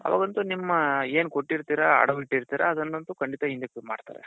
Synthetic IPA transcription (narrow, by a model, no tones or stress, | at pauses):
ɐ̰ʋa̰ːɡɐnt̪unimːɐeːnkoʈːiɾt̪iːɾɐɐ̰ɽɐʋiʈːiɾt̪iːɾɐːd̪ɐnːɐnt̪ukɐɳɖit̪ɐɦind̪epuma̰ːɽt̪a̰ːɾḛ